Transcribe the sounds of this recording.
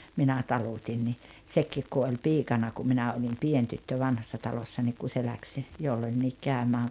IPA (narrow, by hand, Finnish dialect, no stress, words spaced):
minæ tɑlutʲin ni sekːiːk ku olʲ piːkɑnɑ kum minæ olim pien tytːø ʋɑnhɑsːɑ tɑlosːɑ niːk ku se læks jolːonʲːiːk kæˑømæːŋ